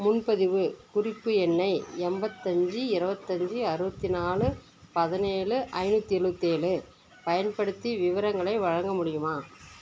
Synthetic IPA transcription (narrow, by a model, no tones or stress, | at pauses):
mʊnpɐðɪʋɯkʊrɪpːɯɛnːɐɪɛmbɐt̪ːɐɲd͡ʒiɪɾɯbɐt̪ːɐɲd͡ʒiɐɾɯbɐt̪ːinaːɭɯ | pɐðɐneːɭɯʔɐɪnuːt̪ːiɪɾɯbɐt̪ːeːlɯ | pɐjɐnpɐɽɯt̪ːiʋɪʋɐɾɐŋɡɐɭɐɪʋɐɻɐŋɡɐmʊɽɪjɯmaː